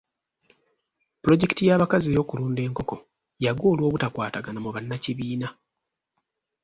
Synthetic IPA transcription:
pulo̞ɟeki̥tijaːβakaziejo̞ːkuluːnde̞ːŋko̞ko̞ | jaɡwo̞ːlwo̞ːβutakwaːtaɡanamuβanːaciβiːna

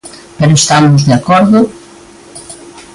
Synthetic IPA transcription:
peɾʊest̪amʊzðeakɔɾðʊ

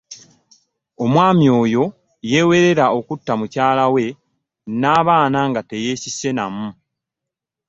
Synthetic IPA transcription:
o̞mwaːmjo̞ːjo̞ | je̞we̞ɾe̞ɾao̞kutːamucaːlawe̞ | naːβaːnaŋɡate̞je̞sise̞namu

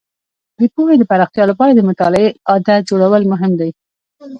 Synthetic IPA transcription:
d̪əpuwed̪əpaɾɑxt̪jɑlopɑɾad̪əmʊt̪ɑlɪeɑd̪ad͡ʒoɽawəlmʊɦɪmd̪aj

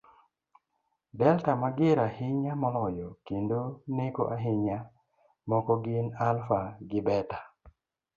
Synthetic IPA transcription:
bɛltamaɡɪɾahɪɲamɔlɔjɔkendonɪko̰ʔaɦɪɲa | mɔkɔɡɪnalfaɡɪbɛtḁ

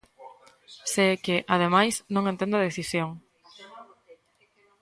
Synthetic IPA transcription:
sekɪʔaðemajsnõŋẽnt̪ẽnd̪aðeθisjoŋ

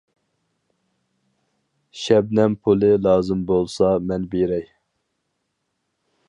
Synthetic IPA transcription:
ʃɛb̚nɛnpʰulˠɨlˠɑːzɨmbolˠsɑmɛnbeɾɛj

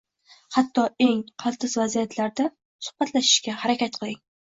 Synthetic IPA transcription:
hat̪ʰːɒeŋqʰɑlˠt̪ʰɪzvazijat̪ʰlaɾd̪a | sʊ̥hb̥at̪laʃɪ̥ʃkʲahaɾakʲat̪̚qʰɨlˠɪŋ

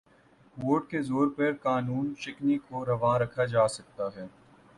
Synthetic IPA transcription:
ʋoːɾʈkezoːɾpɐɾkaːnuːnt͡ʃɪknikoɾɐʋãːɾɐkʰad͡ʒaːsɐk̚t̪aɦɛː

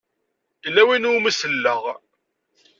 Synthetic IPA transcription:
lːæwinuməsəlːəʁ

